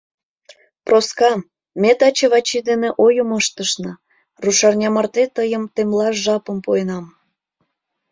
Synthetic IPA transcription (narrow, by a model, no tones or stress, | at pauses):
proskɑm | met̪ɑt͡ɕeβɑt͡ɕid̪eneʔojəməʃt̪əʃnɤ | ruʃɑrnʲɑmɑrt̪et̪əjəmt̪emlɑʒɑpə̆mpojenɑm